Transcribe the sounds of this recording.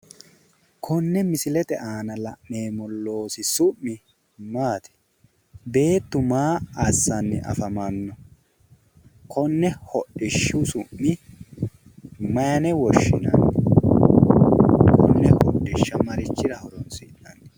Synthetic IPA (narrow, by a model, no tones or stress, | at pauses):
kʰɔnːɛmɪsɪlɛt̪ɛʔaːnɐlɐʔːe̞ːmɔlːo̞ːsɪsʊʔːɪ | maːt̪ɛ̥ | be̞ːt̪ːʊmaːɐsːɐnːɪ̰ʔɐ̰fɐmɐnːɔ | kʰɔnːɛhɔɗːɪʃːʊsʊmːɪ | mɐjɐnɛwɔʃːɪnɐ̰nːɪ | kɔnːɛhɔ̰ɗːɪʃːɐmɐɾɪt͡ʃːɪɾɐhɔɾɔnsɪnɐnːɪ